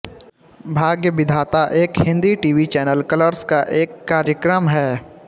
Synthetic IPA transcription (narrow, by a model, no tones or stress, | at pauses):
bʱaːɡjəʋɪd̪ʱaːt̪aʔeːkhɪ̃nd̪iʈiːʋit͡ʃɛːnəlkələɾskaʔeːkːaːɾjəkɾəmɦɛː